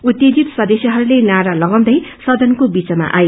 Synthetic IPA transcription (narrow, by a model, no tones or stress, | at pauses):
ut̪ːjed̪it̪sʌd̪esjiɦʌɾulenaɾalʌɡʌwd̪ʌjsʌd̪ʱʌnkobit͡sʌma̰ʔaje